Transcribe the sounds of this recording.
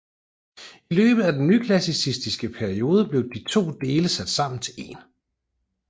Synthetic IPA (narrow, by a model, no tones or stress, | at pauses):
ilø̰ːb̥ð̩ˠæd̥enːykʰlæsisisd̥isɡ̥əpʰæɐio̝ːð̞ˠəb̥le̝ʊd̥it͡sʰo̝̰ːd̥e̝ːləsæd̥sɑ̈m̰n̩t͡sʰe̝le̝̰ːn